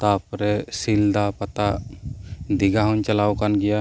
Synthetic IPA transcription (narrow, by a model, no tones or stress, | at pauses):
t̪apɾɛsild̪apat̪a | d̪iɡaɦɔɲt͡ʃalawkanɡɛja